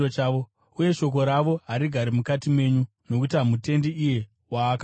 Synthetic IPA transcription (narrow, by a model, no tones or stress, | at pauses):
ot͡ʃaːʋo | uje̞ʃo̞k̬o̞ɾaʋo̞ɦaɾiɡʱaɾimukatimwe̞ɲu | no̞kutiɦamute̞ndiije̞ | waːka